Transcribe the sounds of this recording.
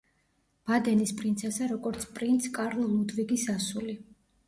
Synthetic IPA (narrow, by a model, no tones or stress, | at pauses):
b̥ad̪ɛnispʼɾint̪sʰɛsaɾɔɡɔɾt̪sʰpʼɾint̪sʰkʼaɾlˠlˠud̪viɡisasuli